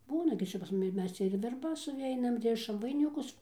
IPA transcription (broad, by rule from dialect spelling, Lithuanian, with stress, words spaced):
ˈbuːnɐ ɡʲɪ ˈt͡ʃʲɛ pɐs ˈmʊmʲɪ ˈmʲɛs t͡sʲɛ ɪr ʋʲɛrˈbɐs sʊˈʋʲɛɪnɐm ˈrʲɪʃɐm ʋɐɪnʲɪˈkʊs